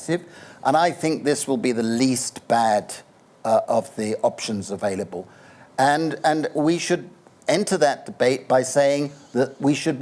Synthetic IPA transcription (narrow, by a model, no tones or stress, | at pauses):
sɪvʔə̃ñaɪθɪ̃ŋk̚ðɪswəlˠbiðəlistb̥æd | ʔʌvðiʔɑpʃɨ̃nzəveɪlˠəbəlˠ | ɨ̃nɨ̃nwiʃɨd̚ | ɛ̃ntʰə˞ðɨt̚d̥ɨbeɪt̚b̥aɪseɪɪ̃ŋðəʔ̚wiʃɨd̚